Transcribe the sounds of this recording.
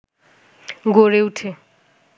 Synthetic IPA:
ɡoɾeutʰe

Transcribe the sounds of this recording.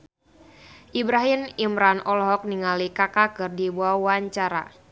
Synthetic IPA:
ʔibɾaɦinimɾanɔlɦɔk̚niŋalikakakɨrdibuawaɲt͡ʃaɾa̰

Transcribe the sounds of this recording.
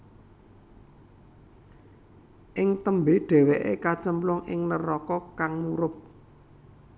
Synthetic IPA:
ʔɪŋt̪əmbeɖ̥ɛ̤weʔekat͡ʃəmplʊŋɪŋnəɾɔkɔkaŋmuɾʊp̚

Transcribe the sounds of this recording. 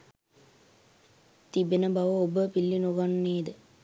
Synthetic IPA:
t̪ibenəbaʋəobəpilːinuɡanːeːd̪ə

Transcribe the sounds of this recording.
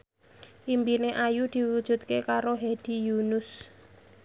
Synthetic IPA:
ʔimbineʔajud̪̥i̤wud̥ʒ̥ṳt̪̚kekaɾoɦed̥i̤junʊs

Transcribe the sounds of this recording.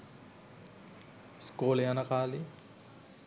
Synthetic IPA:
skoːlejɐnɐkaːli

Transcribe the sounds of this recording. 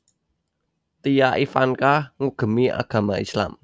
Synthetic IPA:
t̪ijaʔifankahŋuɡ̥ə̤miʔa̰ɡ̥a̤maisla̰m

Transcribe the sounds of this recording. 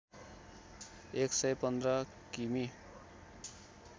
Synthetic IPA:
eksʌjpʌnd̪rʌ | kimi

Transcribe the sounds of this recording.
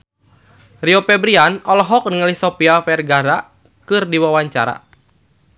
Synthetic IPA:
riɔpɛbɾianɔlɔɦɔk̚nəŋəlisɔpiafɛrɡaɾa | kɨrdiwawaɲt͡ʃa̰ɾa̰

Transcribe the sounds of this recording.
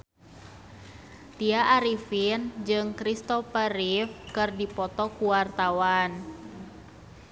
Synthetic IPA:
t̪iaʔːɾifind͡ʒɨŋkɾist̪ɔfəɾifkɨrdipɔt̪ɔkuwart̪awan

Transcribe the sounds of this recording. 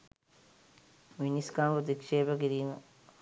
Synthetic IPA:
ʋiniskaːmpot̪ikʂeːbɐkiɾiːmə

